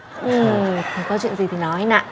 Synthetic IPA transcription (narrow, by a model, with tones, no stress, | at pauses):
ʔɨ˨˩xa˨˩kɔ˨˦t͡ɕwḭ˧˨ənzi˨˩t̪ʰi˨˩nɔ˨˦ha˧na̰ː˧˨